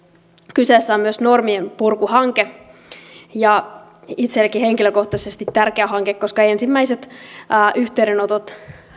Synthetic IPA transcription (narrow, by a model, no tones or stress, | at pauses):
kyseːsːæommyøsnormiempurkuhɑŋke | jɑ | it̪selkiheŋkiløkoht̪ɑsest̪it̪ːærkeæɦɑŋkekːoskɑensimːæiset̪ːʔyht̪eiɾenot̪ot̪